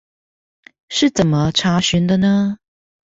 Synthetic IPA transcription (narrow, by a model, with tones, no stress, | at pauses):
ʂɻ̩˥˩t͡sə˨˩nmə˦ʈ͡ʂʰa˧˥ɕy˧˥nd̪ə˧nə˧